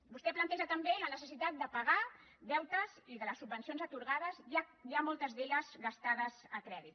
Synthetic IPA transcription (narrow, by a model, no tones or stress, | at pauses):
bust̪ɛplənt̪ɛʒət̪əmbeənəsəs̬it̪at̪̚d̪əpaɣad̪ɛwt̪əziðələsːubbənsionzət̪uɾɣaðəzjajamɔlˠt̪əzðeʎəzɣast̪aðəzəkɾɛðit̪